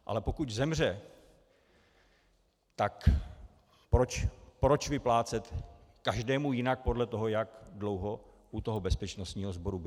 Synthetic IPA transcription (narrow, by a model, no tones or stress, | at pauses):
ʔa̰lɛpo̞kuczɛmr̝ɛ | t̪ak | pɾot͡ʃpɾo̞t͡ʃvɪplaːt͡sɛt̪kaʒdɛːmujɪnak̚po̞dlɛt̪o̞ɦo̞jakdlo̞wɦo̞ | ʔut̪o̞ɦobɛspɛt͡ʃno̞st̪ɲiːɦo̞zbo̞ɾubɪ